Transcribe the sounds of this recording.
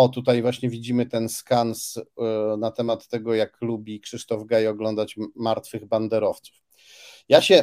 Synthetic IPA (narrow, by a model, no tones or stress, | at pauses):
ɔt̪ut̪ajvwaɕɲɛvʲid͡ʑimɘt̪ɛnskansnat̪ɛmat̪ːɛɡɔjaklubʲikʂɘʂt̪ɔvɡajɔɡlɔnd̪at͡ɕmaɾt̪fɘɣband̪ɛɾɔft̪su̥f | jaɕɛ